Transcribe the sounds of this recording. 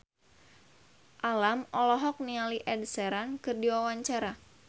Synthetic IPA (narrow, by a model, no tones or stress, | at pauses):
ʔalamɔlɔɦɔk̚nialiʔɛdsɛɾankɨrdiwawaɲt͡ʃaɾa